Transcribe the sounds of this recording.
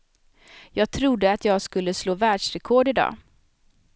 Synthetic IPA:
jɑːɡ̚t̪ʰɾʊd̪ːəat̪ʰjɑːɡskɵlːəsloːvæːɖʂɾɛkʰɔɖɪd̪ɑ̰ː

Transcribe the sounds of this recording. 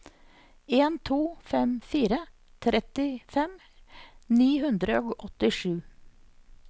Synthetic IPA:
eːnt̪ʰuːfɛmfiːɾə | t̪ʰɾʔɛt̪ɪfɛm | niːɦʉnd̪ɾəoːɡɔt̪ɪʂʉː

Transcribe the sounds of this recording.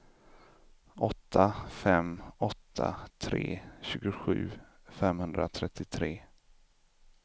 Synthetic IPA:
ʔɔt̪ʰːafɛmɔt̪ʰːa̰t̪ʰɾḛːɕʉ̟ːɡʊɧʉ̟ː | fɛmhɵnd̪ɾat̪ʰɾɛt̪ʰːɪt̪ʰɾeː

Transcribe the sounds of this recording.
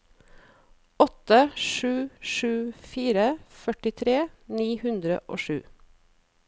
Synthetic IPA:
ɔt̪əʃʉːʃʉːfiːɾəfœʈɪt̪ʰɾeːniːhʉnd̪ɾə̰ʔo̰ːʃʉ̰ː

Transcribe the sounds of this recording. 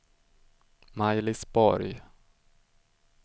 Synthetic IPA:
majlɪsbɔɾj

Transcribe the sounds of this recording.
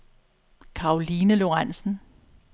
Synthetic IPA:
kʰɑ̈oliːnəlo̝ʁan̰sn̩

